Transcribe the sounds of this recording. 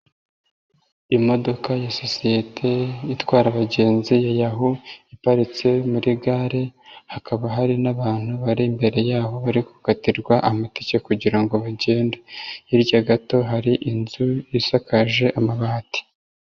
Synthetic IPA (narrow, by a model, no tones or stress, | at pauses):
imo̞do̞kajasosijetʰe̞jitwaːɾaβaɟe̞ːnzijajaɦuipaɾit͡se̞muɾiɡaːɾe̞hakaβaɦaɾinaβaːn̥huβaɾimbe̞ɾe̞jaːɦo̞βaɾikukatiɾɡwaʔamatecekuɟiɾaŋɡo̞βaɟe̞ːndaiɾjaɡato̞ɦaɾiʔinzujisakaʒe̞ʔamaβahati̥